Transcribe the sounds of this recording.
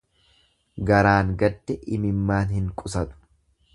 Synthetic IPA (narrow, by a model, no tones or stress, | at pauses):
ɡɐɾaːŋɡɐd̪ːɛʔɪmɪmːaːnhɪŋkʼʊsɐt̪ʊ̥